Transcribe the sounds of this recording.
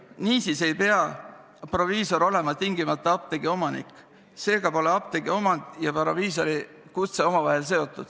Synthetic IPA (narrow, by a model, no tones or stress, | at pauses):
niːsise̞jpe̞ɑ | pro̞viːso̞ɾo̞le̞mɑt̪iŋɡimɑt̪ˑːɑɑp̚t̪eɡio̞mɑnḭkːˑ | se̞ːɡ̥ɑpo̞leɑp̚t̪eɡ̥io̞mɑnd̪̥jɑpɾoviːs̬o̞ɾi | kut̪seo̞mɑvɑɦe̞ls̬e̞o̞t̪ˑːud̪̥